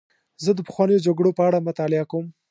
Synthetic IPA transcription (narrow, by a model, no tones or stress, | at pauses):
zəd̪əpəxwɑnəjod͡ʒaɡɽopəaɽamʊt̪ɑlɪakawm